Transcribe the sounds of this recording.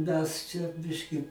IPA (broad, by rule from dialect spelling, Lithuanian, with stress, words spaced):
ˈmʲɛs t͡ʃʲɛ ˈbʲɪʃʲkʲɪ